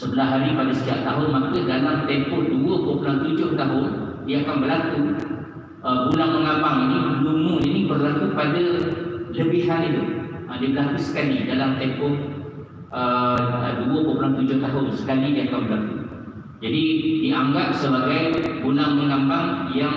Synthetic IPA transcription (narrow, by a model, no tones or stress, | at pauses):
səbəlaɦaɾipadasə̥t̪iap̚t̪aɦʊnmak̪ədalamt̪ɛmpɔʔduəkopulaht̪ud͡ʒʊht̪aɦʊndiakanbəlaku | ʔəɡunaŋməŋãmbaŋinilumũinĩbərlakupadələbɪhɦanit̪uʔədiəbəɾlakusə̥kalidalamt̪empɔʔ | əəduəkopunamt̪ud͡ʒʊht̪aɦʊnsə̥kalidiakanbəlaku | d͡ʒadidiʔaŋɡap̚səbaɡajɡunaŋməŋambaŋjaŋ